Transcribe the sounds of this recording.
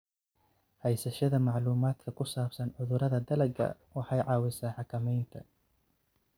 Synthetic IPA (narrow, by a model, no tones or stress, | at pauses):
hɛjsɐʃɐðɐmɑʕluːmaːd̪̥kʰɐkʰʊsaːbsɐnʕʊðʊɾɐðɐd̪ɐlɐɡɐ̰ | wɑħɑjʕɑːwɪsaːħɑkʰɐmɛjnt̪ʰɐ̰